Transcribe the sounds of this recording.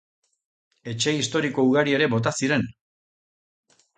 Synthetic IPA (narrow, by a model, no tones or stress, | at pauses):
e̞t͡ʃe̞ist̪o̞ɾiko̞uɣaɾie̞ɾe̞βo̞t̪̬asiɾe̞n